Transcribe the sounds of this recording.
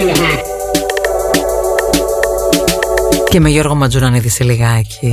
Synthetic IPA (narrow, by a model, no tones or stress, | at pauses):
cemeʝoɾɣomɐd͡zunɐniðiseliɣɐcʰi